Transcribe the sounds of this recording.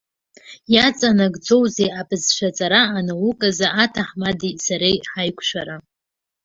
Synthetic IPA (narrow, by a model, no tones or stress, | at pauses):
jat͡sʼanaɡʼd͡zo̞wzejabʰʼɨzʃʷᶣat͡sʼaɾaːnawʊkʼazaːtʰaħmadisaɾejħajkʷʼʰʃʷᶣaɾa